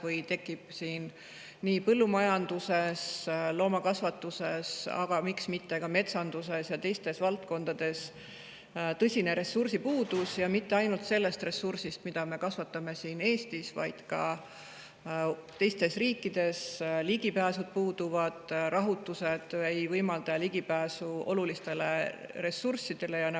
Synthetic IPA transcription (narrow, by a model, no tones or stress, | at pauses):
vɤjt̪e̞kːˑib̥siːn | niːpɤlːumɑjɑnd̪use̞slo̞ːmɑkɑsvɑt̪ːuse̞sɑ̰ɡ̥ɑmiksmit̪ːe̞kɑme̞t̪sɑnd̪̥use̞sjɑt̪e̞jst̪e̞svɑlt̪̚ko̞nd̪̥ɑd̪̥e̞s | t̪ɤsʲineɾe̞sːursipuːd̪̥usjɑmit̪ːeɑjnult̪se̞lːe̞st̪re̞sːursist̪mid̪̥ɑme̞kɑsvɑt̪ːˑɑme̞siːne̞ːst̪isvɑ̰jd̪̥kɑ̰ | t̪e̞jst̪e̞sriːkːˑid̪̥e̞sliɡipæːsud̪̥̚puːd̪̥uvɑd̪̥rɑɦut̪ːˑuse̞d̪̥ejvɤjmɑld̪ɑliɡ̥ipæːsuo̞̰lulist̪e̞le̞re̞sursid̪̥e̞le̞jɑnɑ